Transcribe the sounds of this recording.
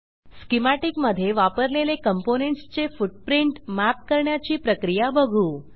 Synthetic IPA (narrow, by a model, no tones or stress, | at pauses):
skimaʈikməd̪ʱjeʋapəɾlelekəmponeɳʈst͡ɕefuʈ̚pɾiɳʈmæp̚kəɾɳjat͡ɕiːpɾəkɾijabəɡʱũː